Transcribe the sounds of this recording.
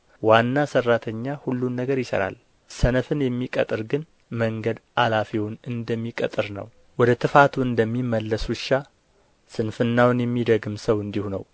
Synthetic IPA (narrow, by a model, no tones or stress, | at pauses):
wanːasərːat̪ʰəɲːahulːunːəɡəɾjɪsə̰ɾa̰l | sənəfɨnjɛmːikʼət̪ʼɨɾɡɨn | məŋɡəd̪alafiwʊnɨnd̪əmːikʼə̰t̪ʼɨɾnə̰w | wɔd̪ət̪ʰɨfat̪ʰuɨnd̪əmːimːəlːəsuʃa | sɨnfɨnːawnjɛmːid̪əɡɨmsəwɨnd̪ihunə̰w